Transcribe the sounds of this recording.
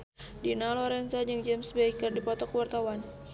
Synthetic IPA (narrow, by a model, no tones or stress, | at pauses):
dinalɔɾɛnsad͡ʒəŋd͡ʒɛmsbɛikərdipɔt̪ɔkəwart̪awan